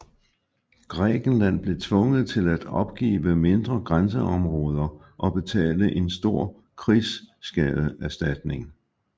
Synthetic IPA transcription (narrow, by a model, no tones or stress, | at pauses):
ɡ̥ʁɛ̰ːɡ̥n̩læn̰b̥le̝t͡sʰʋɔ̽ŋəð̩ˠt͡sʰe̝læd̥ɒ̽b̥̚ɡ̥ḭːʋəme̝nd̥ʁɐɡ̥ʁans̬əɒ̽mʁɔːð̞ˠɐ | ʔɒ̽b̥e̝t͡sʰɛ̰ːləʔe̝nsd̥o̝ɐ̰ | kʰʁisːɡ̥ɛð̩ˠæɐsd̥æd̥ne̝ŋ